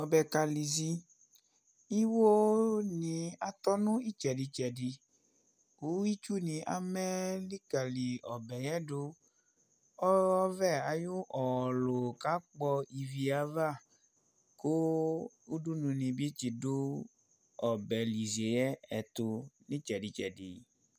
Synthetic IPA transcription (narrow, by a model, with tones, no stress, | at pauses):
ɔ˨bɛ˨ka˧li˨zi˧ | i˦wo˦nĩ˧a˨t̪ɔ˦nũ˦i˦t͡ʃɛ˨di˧t͡ʃɛ˨di˧ | u˨˦i˦t͡ʃu˦nĩ˧ʔa̰˦mɛ˦li˦ka˨li˨ɔ˨bɛ˨jɛ˦do˧ | ɔ˦ɔ˦vɛ˦˨a˨jo˦ʔɔ˨lo˨ka˨˦k͡pɔ˧i˧vi˧a˧va˦˨ | ko˦ | u˦du˦nũ˧nĩ˧bi˦t͡ʃi˨do˦ | ɔ˨bɛ˨li˨ze˨jɛ˦ɛ˨t̪o˧nĩ˦t͡ʃɛ˨di˨t͡ʃɛ˨dḭ˨